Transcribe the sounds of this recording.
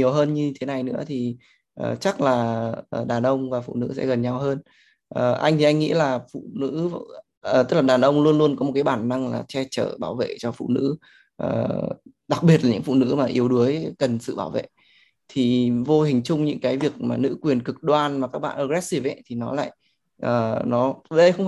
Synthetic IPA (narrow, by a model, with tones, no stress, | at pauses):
ɲi˨˩əwɦəː˧nɲɨ˧ɲ˧t̪ʰe˨˦na˨˩jnɨ̰˧˥ət̪ʰi˨˩ | ʔəː˨˩t͡ɕa˦˥k̚laː˨˩ʔəː˨˩ɗaː˨˩nʔə˧wŋ͡mvaː˨˩fṵ˧˨nɨ̰˧˥sɛ̰˧˥ɣə˨˩nɲa˧wɦəː˧n | ʔəː˨˩ʔa˧jŋ̟t̪ʰi˨˩ʔa˧jŋ̟ŋḭ˧˥laː˨˩fṵ˧˨nɨ̰˧˥ | ʔəː˨˩t̪ə˦˥k̚laː˨˩ɗaː˨˩nʔə˧wŋ͡mlu˧ənlu˧ənkɔ˨˦o˨˩t̚kaː˨˦jɓaː˨˩nːa˧ŋla̰ː˨˩t͡ɕɛ˧t͡ɕə̰ː˧˩ɓaː˧˩wvḛ˧˨t͡ɕɔ˧fṵ˧˨nɨ̰˧˥ | ʔəː˨˩ | ɗa˨˩k̚ɓi˨˩ət̚laː˨˩ɲɨ̰˧˥ŋfṵ˧˨nɨ̰˧˥maː˨˩ʔi˨˦əwɗu˨˦əjkə˨˩nsɨ̰˧˨ɓaː˧˩wvḛ˧˨ | t̪ʰi˨˩vo˧ɦï˨˩ŋ̟t͡ɕʊ˧ŋ͡mɲɨ̰˧˥ŋkaː˨˦jvi˨˩ək̚maː˨˩nɨ̰˧˥kwi˨˩ənkɨ˨˩k̚ɗwaː˧nmaː˨˩kaː˦˥k̚ɓa̰ː˧˨nʔəː˧˩ɣɛ˦˥t̚si˧˩vɛ̰˧˨t̪ʰi˨˩nɔ˨˦la̰ː˧˨j | ʔəː˨˩nɔ˨˦əː˨˦ɗə˧jxə˧wŋ͡m